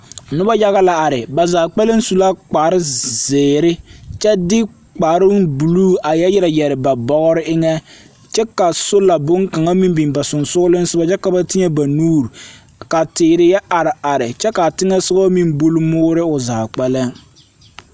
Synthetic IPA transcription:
nʊ˦ba˦ja˦ɣa˦la˨a˨ɾɪ˨ba˨zaː˨k͡pɛ˦la˦n˦su˨la˦k͡pa˨ɾɪ˦zɪː˨ɾɪ˦t͡ʃɛ˦dɪ˦ | k͡paː˨ɾɪ˦ŋbu˨luː˦a˨jɛ˦jɪ˦ɾa˨jɛ˨ɾɪ˨ba˨bɔ˨ɣɔ˦ɾɪ˦ʔɪ˦ŋɛ˦ | t͡ʃɛ˦ka˨sʊ˦la˨bʊ˦ŋka˨ŋa˦mi˦mbi˨mba˨sʊ˨nsʊ˦ɡʊ˦lɪ˦n˦sʊ˦ba˦t͡ʃɛ˦ka˨ba˦tɪ˦ɲɛ˦ba˨nuː˦ɾ | ka˨tɪː˨ɾɪ˦jɛ˦ʔa˨ɾɪ˨a˨ɾɪ˨t͡ʃɛ˦ka˨tɪ˦ŋɛ˦sʊ˦ɣɔ˦mi˦mbu˦lmʊː˦ɾɪ˦ʊ˨zaː˨k͡pɛ˦la˦

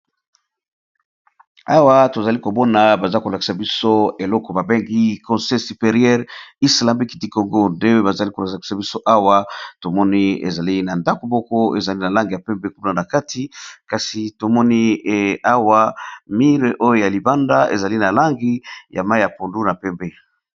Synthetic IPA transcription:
a˦wa˦to˨za˨li˦ko˨bɔ˦na˨ba˨za˦ko˨la˨ki̥˨sa˨bi˦so˦e˨lɔ˦kɔ˨ba˨be˦ŋɡi˦kɔ̃˨sɛ˦sy˨pe˨ʁjɛ˦ʁi˦sla˨mi˦ki˨di˨ko˨ŋɡo˦nde˦we˦ba˨za˨li˦ko˨lski̥˨sa˨bi˦so˦ʔa˦wa˦to˨mɔ˦ni˦ḛ˨za˨li˦na˨nda˦ko˨mɔ˦kɔ˦ḛ˨za˨li˦na˨la˦ŋɡi˨ja˨pɛ˦mbe˦ku˦na˨na˨ka˦tʰi˨˦ka˨si˨to˨mɔ˦ni˦˨a˦wa˦mi˦ʁe˨ʔo˦jo˦ja˨li˨ba˦nda˦ḛ˨za˨li˦na˨la˦ŋɡi˦ja˨ma˦i˦ja˨po˨ndu˦na˨pɛ˦mbe˦

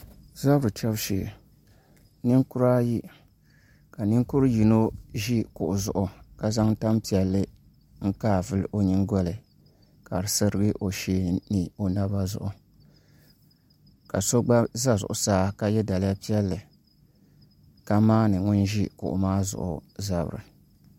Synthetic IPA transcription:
za˦bɾɨ˨tɛ˦bʃiː˨ | nɨ˦ŋkʊ˦ɾaː˦ji˦ | ka˨nɨ˦ŋku˦ɾji˨no˦ʒi˦kʊ˨ʔʊ˨zʊ̰˨ʔʊ˨ka˦za˦ŋta˦mpi˨ɛ˨˦lːɨ˦ | ŋ̩˦kaː˦˨vɨ˦lʔo˦ɲi˦ŋɡɔ˦lɨ˨ | ka˨ɾɨ˨sɨ˦ɾɨ˦ɡɨ˦ʔo˨ʃeː˦nɨ˨o˨na˦ba˦zʊ̰˦ʔʊ˨ | ka̰˨so˦ɡ͡ba˦za˦zʊ̰˨ʔʊ˨saː˦ka˦jɛ˦da˨lɪ˦ja˦pi˦ɛ˦lːɨ˨ | ka˦maː˦nɨ˨ŋʊ˦nʒi˦kʊ̰˨ʔʊ̰˨maː˦zʊ̰˨ʔʊ̰˨za˨b̰ɾɨ̰˨

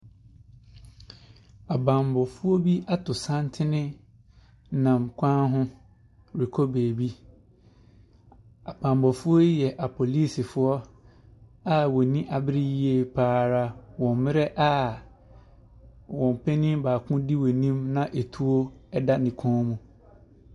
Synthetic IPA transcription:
a˨bã˨mbɔ˨fʊ˦o˦bi˦a˦tʰʊ˨sã˦ntʰɪ˦nɪ̃˦ | nã˨mkʷʰã˦ɦʊ̃˦ | ɾi˨kʰɔ˦beː˨bi˦ | a˨b̥ã˨mbɔ˨fʊ˦o˦jɛ˨ʔa˨pʰo˨liː˦˨sɪ˨fʊ˦ɔ˦ | a˦wɔ˨nĩ˦ʔa˨bɪ˦ɾi˦ji˦e˨pʰaː˦˨ɾa˦wɔ̃˨mmɪ̃˦ɾɛ˦ʔa˦ | wɔ̃˨m˨pʰɛ˦nɪ̃˦baː˨kʰʊ̃˦di˦wo˨nĩ˦mnã˦ʔe˨tʰu˦o˦ɛ˦da˦nɪ̃˨kʰɔ̃ː˦mũ˨

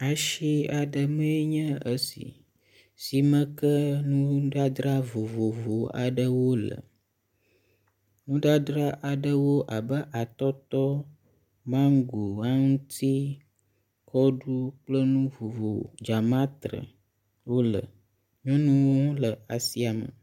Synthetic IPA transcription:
a˨ʃi˦a˨ɖə˨mə̃˦e˦ɲə̃˦ə˦sḭ˨ | si˨mə̃˦kə˦nũ˦ɖa˦d̪ɾa˦vo˨vo˨vo˨a̰˨ɖə˨wo˦lə̰˨ | nũ˦ɖa˦d̪ɾa˦ʔa˨ɖə˦wo˦ʔa˨bə˦ʔa˨t̪ɔ˦t̪ɔ˦ | mã˦ŋ˦ɡu˨a˦ŋũ˦t̪ʰi˦ | kʰɔ˦ɖu˦k͡plə˦nũ˦vo˨vo̰˨d͡ʒa˨mã˦t̪ɾə̰˨ | wo˦lə̰˨ | ɲɔ̃˦nũ˦wo˦lə˨a˨si˦a˨mə̰˨

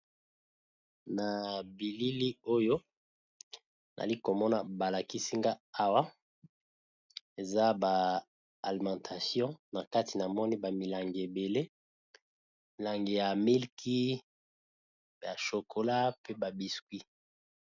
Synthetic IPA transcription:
na˨bi˨li˦li˦o˦jo˦ | na̰˨li˦ko˨mɔ˦na˨ba˨la˨ki˦si˦ŋɡa˦a˦wa˦ | e˨za˦baː˨ | li˨mɑ̃˨tʰa˨sjɔ̃˦na˨ka˦ti˨na˨mɔ˦ni˦ba˨mi˨la˨ŋɡi˨e˨be˨le˦ | mi˨la˨ŋɡi˨ja˨mi˦lkʰi˦ | ja˨ʃo˨kʰo˨la˦pe˦ba˨bi˨skwi˦

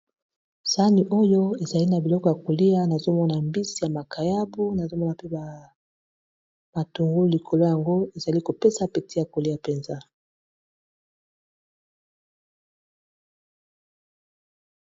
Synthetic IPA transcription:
sa˦ni˨ʔo˦jo˦e˨za˨li˦na˨bi˨lɔ˦kɔ˨ja˨ko˨li˦a˦na˨zo˦mɔ˦na˨mbi˦si˨ja˨ma˨kʰa˨ja˦bu˦na˨zo˦mɔ˦na˨pe˦ba˨ | ma˨tu˨ŋɡo˦li˨kʰo˨lo˦ja˨ŋɡo˦e˨za˨li˦ko˨pe˦sa˨pe˨ti˦ja˨ko˨li˦ja˨pe˨nza˦

